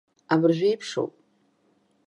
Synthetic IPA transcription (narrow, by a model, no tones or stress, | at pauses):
abɨrʒʷᶣejpʰʂo̰wpʼ